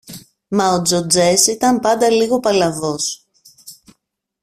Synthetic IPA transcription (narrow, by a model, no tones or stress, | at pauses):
mɐod͡zod͡ze̞sit̪ɐmpɐnd̪ɐliɣo̞pɐlɐvo̞s